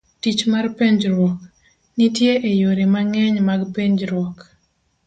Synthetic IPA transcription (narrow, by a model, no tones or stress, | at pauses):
tit͡ʃmarpeɲd͡ʒɾwɔk | nitjeʔejoɾemaŋɛɲmaɡpeɲd͡ʒɾwɔk